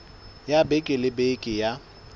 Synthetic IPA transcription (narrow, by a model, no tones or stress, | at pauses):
jabekʼɪlɪbekʼɪja